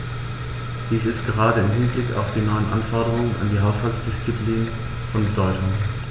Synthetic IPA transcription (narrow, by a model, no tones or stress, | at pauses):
d̥iːsɪstɡ̥əʁ̞aːdəɪmɦɪnblɪka̰ʊfd̥iːnɔʏənʔanfɔɐɾəʁ̞ʊŋənʔa̰ndiːɦaʊshalsd̥ɪst͡sipliːnən | fɔnbədɔʏtʊŋ